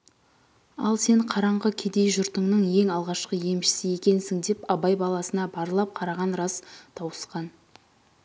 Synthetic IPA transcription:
ɑ̰lˠse̞ɴqʰɑɾɑɴʁəkʲʰe̞d̪e̞jʒʊɾt̪əɴnəɴje̞ŋɑlˠʁɑʃqəje̞mʃɪ̥sɪje̞kʲe̞nsɪŋd̪e̞pɑbɑjbɑlˠɑsənɑbɑɾəlˠɑp̚qʰɑɾɑʁɑnɾɑst̪ʰɑwəsqɑn

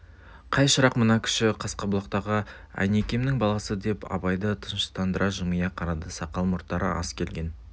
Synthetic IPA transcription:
qʰɑjʃəɾɑqmənɑkʲʰʏ̥ʃɪqʰɑsqɑbʊlˠɑqt̪ɑʁə | æ̰nekʲe̞mnɪŋbɑlˠɑsəd̪e̞pɑ̰bɑjd̪ət̪ʰənʃə̥t̪ɑnd̪əɾʔɑʒəməjɑqʰɑɾɑd̪əsɑqɑlˠmʊɾt̪ːɑɾə̰ʔɑ̰skʲʰe̞lɡʲe̞n

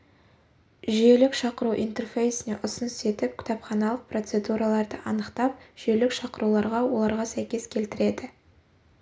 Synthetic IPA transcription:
ʒije̞lɪkʃɑqəɾuʔḭjnt̪e̞rfejsɪne̞ʔʊsənse̞t̪ɪp̚kʲʰɪ̥t̪ɑpχɑnɑlˠəq̚pro̞t̪se̞d̪uɾɑlˠɑɾd̪əʔɑnəqt̪ɑp̚ʒ̥elɪkʃɑqəɾulˠɑɾʁɑwo̞lˠɑɾʁɑsæjkʲe̞skʲʰe̞lt̪ɪɾe̞d̪ɪ

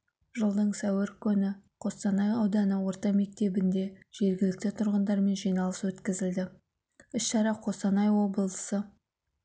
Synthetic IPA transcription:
ʒəlˠd̪əɴsæwɪɾkʲʰʏnɪqʰo̞st̪ɑnɑjɑwd̪ɑnəwo̞ɾt̪ɑme̞k̚t̪e̞bɪnd̪e̞ʒ̥e̞ɾɡʲɪlɪk̚t̪ɪt̪ʰʊɾʁənd̪ɑɾme̞nʒijnɑlˠə̥swɵt̪kʲɪzɪld̪ɪ | ɪsʃɑɾɑqʰo̞st̪ɑnɑjwo̞bəlˠəsə

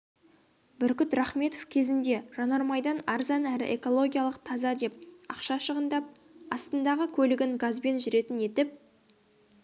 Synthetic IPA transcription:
bʏɾkʲɪt̪ɾɑχme̞t̪ofkʲʰe̞zɪnd̪e̞ʒ̥ɑnɑɾmɑjd̪ɑnɑɾzɑnæɾɪ̰ʔḛko̞lˠo̞ɡʲijalˠəqt̪ʰɑzɑd̪e̞p̚ɑ̰qʃɑʃəʁənd̪ɑp̚ | ɑst̪ənd̪ɑʁəkʲʰɵlɪɡʲɪŋɡazbe̞nʒʏɾe̞t̪ɪne̞t̪ɪp̚

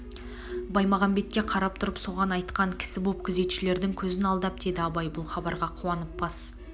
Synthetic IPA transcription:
bɑjmɑʁɑmbe̞t̪̚kʲe̞qʰɑɾɑp̚t̪ʰʊɾəpso̞ʁɑnɑjt̪qɑŋkʲʰɪ̥sɪbo̞p̚kʲʰɪze̞t̪ʃɪle̞ɾd̪ɪŋkʲʰɵzɪnɑlˠd̪ɑp̚d̪̥e̞d̪ɪɑbɑjbʊlˠχɑbɑɾʁɑqʰuwɑnəp̚bɑs

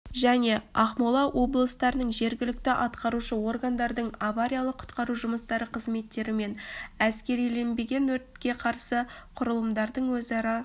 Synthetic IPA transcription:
ʒæne̞ɑχmolˠɑwʔo̞blˠəst̪ɑɾənəɴʒe̞ɾɡʲɪlɪk̚t̪ɪʔɑt̪qɑɾuʃəwo̞rɡand̪ɑɾd̪əɴavaɾʲijalˠəqʰʊ̥t̪qɑɾuʒʊməst̪ɑɾəqʰəzme̞t̪ːe̞ɾɪme̞næskʲe̞ɾijle̞nbe̞ɡʲe̞nwɵɾt̪kʲe̞qʰɑɾsəqʰʊɾəlˠəmd̪ɑɾd̪əɴwɵzɑɾɑ

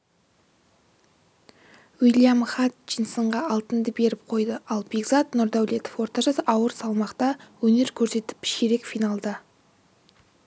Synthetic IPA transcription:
wijlijamχɑt̪̚ʒinsəɴʁɑɑlˠt̪ənd̪əbe̞ɾɪp̚qʰo̞jd̪əʔɑlˠbʲiɡzɑt̪nʊɾd̪æwlʲe̞t̪ofwo̞ɾt̪ɑʒɑsɑwəɾsɑlˠmɑqt̪ɑwɵne̞ɾkʲʰɵɾse̞t̪ɪ̥pɪ̥ʃeɾe̞kfijnɑlˠd̪ɑ

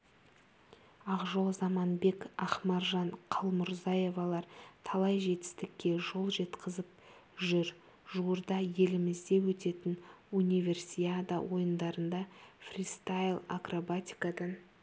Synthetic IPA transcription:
ɑqʒo̞lˠzɑmɑnbe̞kɑχmɑɾʒɑɴqʰɑlˠmʊɾzɑje̞vɑlˠɑɾt̪ʰɑlˠɑjʒe̞t̪ɪ̥st̪ɪkʲːe̞ʒo̞lˠʒe̞t̪qʰəzəp̚ | ʒʏɾ | ʒuwəɾd̪ɑje̞lɪmɪzd̪e̞wɵt̪e̞t̪ɪnunʲijve̞rsijad̪awo̞jənd̪ɑɾənd̪ɑfrʲist̪ajlˠa̰krobat̪ʲi̥kad̪ɑn

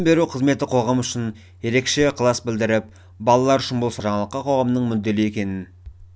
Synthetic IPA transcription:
mbe̞ɾuqʰəzme̞t̪ɪqʰo̞ʁɑmʏʃɪn | je̞ɾe̞kʃe̞qʰəlˠɑsbɪld̪ɪɾɪp̚ | bɑlˠɑlˠɑɾʏʃɪnbolˠsɑʒɑɴɑlˠəqːɑqʰo̞ʁɑmnəɴmʏd̪ːe̞lɪje̞kʲe̞nɪn

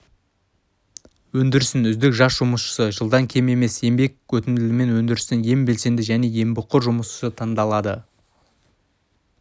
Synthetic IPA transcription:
wɵnd̪ɪɾɪsɪnʏzd̪ɪkʒɑsʒʊməsʃə̥səʒəlˠd̪ɑŋkʲʰe̞me̞me̞se̞mbe̞kʲwɵt̪ɪnɪlɪme̞nwɵnd̪ɪɾɪsɪnje̞mbe̞lse̞nd̪ɪʒæne̞je̞mbʊqːʊɾʒʊməsʃsət̪ʰɑɴd̪ɑlˠɑd̪ə̰

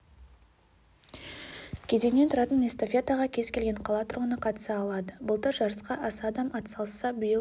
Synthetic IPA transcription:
kʲʰe̞ze̞ŋne̞nt̪ʰʊɾɑt̪ənest̪ofʲet̪aʁɑkʲʰe̞zkʲʰe̞lɡʲe̞ɴqʰɑlˠɑt̪ʰʊɾʁənəqʰɑt̪ə̥sɑːlˠɑd̪əbəlˠt̪əɾʒɑɾəsqɑʔɑsɑd̪ɑmɑt̪əsɑlˠəsɑbijə

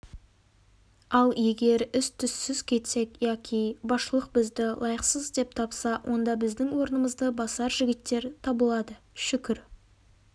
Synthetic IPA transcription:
ɑlˠje̞ɡʲe̞ɾʏst̪ʰʏsːɪzkʲʰe̞t̪se̞kjɑkʲʰijbɑsʃəlˠəq̚bɪzd̪ɪlˠɑjəqsəzd̪e̞p̚t̪ʰɑpsɑwʔo̞nd̪ɑbɪzd̪ɪŋwo̞ɾənəməzd̪əbɑsɑɾʒɪɡʲɪt̪ːe̞ɾt̪ʰɑbəlˠɑd̪ə | ʃʏkʲɪɾ

